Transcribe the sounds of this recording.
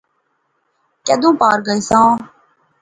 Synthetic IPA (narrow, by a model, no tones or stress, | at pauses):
keːd̪õːpaːɾɡəiːsãː